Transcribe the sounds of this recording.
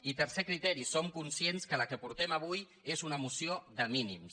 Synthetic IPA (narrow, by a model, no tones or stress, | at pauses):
it̪əɾsekɾit̪ɛɾisomkunsienskələkəpuɾt̪ɛmaβ̞uj | ezunəmusioðəminim